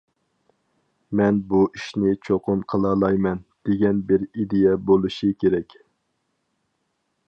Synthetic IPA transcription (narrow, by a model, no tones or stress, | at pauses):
mɛnbuʔiʃnɪt͡ʃʰoqʰʊnqʰəlˠɑlˠɑjmɛnd̪̥eɡʲɛnbɪɾid̪ejɛbolˠuʃɨkʲʰeɾɛkʲ